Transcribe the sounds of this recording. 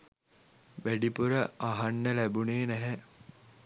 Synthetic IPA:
ʋæɖipuɾəaɦɐnːəlæbuneːnæɦɛ

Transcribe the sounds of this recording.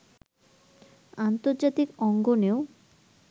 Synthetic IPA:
ant̪oɾd͡ʑat̪ikɔŋɡoneo

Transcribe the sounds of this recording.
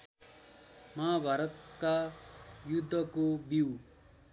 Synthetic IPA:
mabʱaɾʌt̪̚kajud̪ʱːʌkobiw

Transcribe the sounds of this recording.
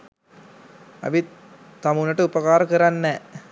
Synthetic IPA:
ɐ̰ʋi | t̪ɐmunːɐʈːɐupɐkaːɾɐkɐɾɐnːe

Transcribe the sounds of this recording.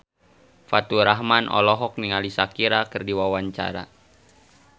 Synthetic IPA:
fat̪uɾaɦmanʔɔ̰lɔɦɔk̚niŋalisakiɾakərdiwawaɲt͡ʃa̰ɾa̰

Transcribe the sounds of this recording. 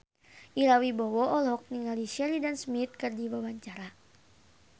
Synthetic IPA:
ʔilawibɔwɔʔɔlɔk̚niŋɡaliʃɛlidansmit̪̚kɨrdiwawaɲt͡ʃaɾa

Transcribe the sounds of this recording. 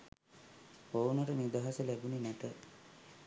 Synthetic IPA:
ownəɾəniud̪aːɦasəlæbuninæt̪ə

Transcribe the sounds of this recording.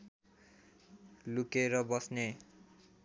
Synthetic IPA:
lukeɾʌbʌsne

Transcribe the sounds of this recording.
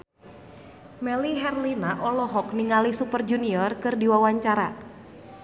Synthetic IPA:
mɛliɦɛrlinaʔɔlɔɦɔkniŋalisupərd͡ʒuniɔrkɨrdiwawaɲt͡ʃaɾa

